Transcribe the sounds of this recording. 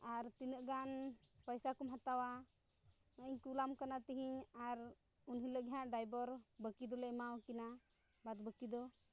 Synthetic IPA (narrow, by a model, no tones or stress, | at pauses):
aɾt̪inəʔɡanpəjsakumɦat̪awa | məʔiɲkulamkanat̪iɦiɲaɾ | unɦĩləɡɦãʔɖajbɔɾbəkid̪ɔlɛmawkina | bad̪bəkid̪ɔ